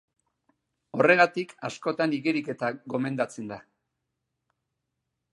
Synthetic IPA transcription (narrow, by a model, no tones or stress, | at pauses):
o̞re̞ɣat̪ikasko̞t̪aniɣeɾike̞t̪aɣo̞me̞nd̪at͡send̪a